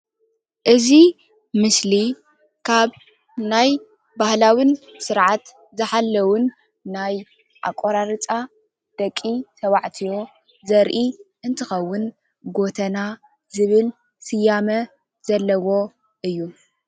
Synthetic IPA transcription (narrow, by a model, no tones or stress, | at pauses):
ʔɨzi | mɨsli | kʰaβ | naj | bahlawinsɨɾʕat̪ | zɨħalːɐwunː | aj | ʔa̰kʼoɾaɾɨt͡sʼa | d̪̥ɐkʼːit̪ʰɐwaʕt̪ʰijo̞ | zɐɾʔiʔɨnt̪ʰɨxɐwːʊn | ɡo̞t̪ʰɐna | zɨβɨl | sɨjːamɐ | z̥ɐlːɐwo̞ | ʔɨjːu